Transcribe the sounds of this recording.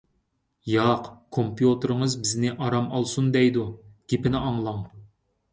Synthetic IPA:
jɑqkʰompjut̪ɨɾɨŋəzbɪznɪʔɑɾɑmɑlˠsund̪ɛjd̪uɡ̥ʲepɪnɪʔɑŋlˠɑŋ

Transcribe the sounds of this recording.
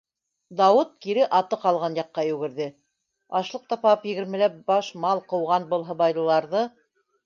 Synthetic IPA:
d̪ɑwɤt̪̚kiɾɘʔɑt̪ɤqɑlˠʁɑnjɑqːɑjʉɡɘ̆ɾðɘ | ɑʃlˠɤq̚t̪ɑpɑpjɘ̆ɡɘ̆ɾmɘ̆læp̚bɑʃmɑlˠqɤ̆wʁɑnbɤlˠɦɤ̆βɑjlˠɤ̆lˠɑɾðɤ

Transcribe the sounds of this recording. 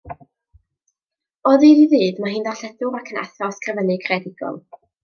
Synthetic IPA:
ɔðidiðɨːdmaɦɨːndaɬɛdʊɾakʰəna̰θɔskrəvənɨkʰrɛdɪɡɔ̰lˠ

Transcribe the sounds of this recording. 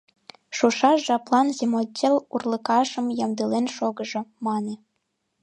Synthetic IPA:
ʃuʃɑʃʒɑplˠɑnzʲemotʲelurlɤ̆kɑʃə̆mjɑmd̪ɤlenʃoɣɤ̆ʒŏmɑne

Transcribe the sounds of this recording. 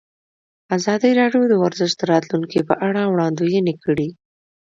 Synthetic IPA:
azɑd̪iɾɑɖjod̪əwaɾzɪʃt̪̚d̪əɾɑt̪luŋkipəʔaɽawɽɑnd̪ujenikəɽi

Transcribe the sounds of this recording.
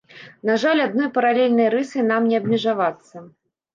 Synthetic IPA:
naʐalʲad̪̚nɔjpɐɾalʲɛlʲnɐjɾɨsɨnamnʲɛɐbmʲɛʐavat̪sːɐ

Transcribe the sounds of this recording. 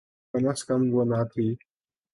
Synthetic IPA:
ɐmɐskɐmɡonaːt̪ʰiː

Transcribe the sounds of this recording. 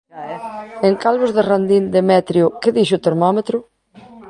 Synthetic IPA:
eŋkalβozðerand̪ind̪emɛt̪ɾjʊkɪðiʃʊt̪eɾmɔmet̪ɾʊ

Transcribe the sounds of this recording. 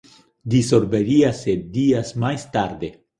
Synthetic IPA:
d̪iso̞ɾbe̞ɾiasːed̚diasmajst̪aɾde̞

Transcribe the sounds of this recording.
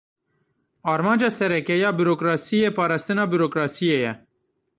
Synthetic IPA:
ɑːɾmɑ̃ːnd͡ʒɑːsɛɾɛkɛjɑːbiɾoːkɾɑːsijeːpɑːɾɑːst̪ɨnɑːbiɾoːkɾɑːsijeːjɛ

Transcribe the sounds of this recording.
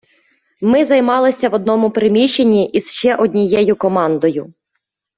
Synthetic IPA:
mɪzɐjmɑlˠɪsʲɐʋɔd̪nɔmʊpɾɪmʲiʃt͡ʃːenʲːiʔiz̥ʃt͡ʃɛʔɔd̪ʲnʲijɛjʊkɔmɑnd̪ɔjʊ

